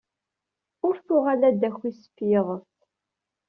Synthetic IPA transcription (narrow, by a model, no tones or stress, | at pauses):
ʊɾθʊʁalæd̪æçːisə̥fjɪʁəθ